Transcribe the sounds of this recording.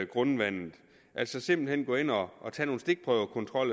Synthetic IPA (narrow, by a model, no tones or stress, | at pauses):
ɡ̥ʁɔnʋæn̰ð̩ˠ | ʔæl̰sɒse̝mb̥l̩hen̰ɡ̥ɔ̽e̝nɒːt͡sʰɛ̰ːno̝ːn̩sd̥e̝ɡ̥̚pʰʁœʊkʰɒ̽nt͡sʰʁɒ̽l̰